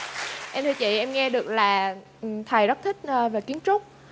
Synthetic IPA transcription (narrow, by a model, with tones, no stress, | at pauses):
ʔɛ˧mt̪ʰɨ˧t͡ɕḭ˧˨ʔɛ˧mŋɛ˧ɗɨ˨˩ək̚laː˨˩˨ | t̪ʰə˨˩jzə˦˥t̚t̪ʰï˦˥k̟̚ːveː˨˩ki˨˦ənt͡ɕʊ˦˥k͡p̚